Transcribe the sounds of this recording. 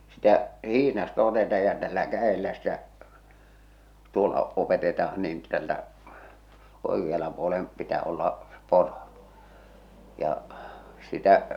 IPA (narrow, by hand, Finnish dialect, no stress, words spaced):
sitæ hihnɑstɑ otetɑːj jɑ tælːæ kæelːæ stæ tuolːɑ opetetɑɑn niːn tæltæ oekiɑlɑ puolem pitæ olːɑ s̆ĕ poro jɑ sitæ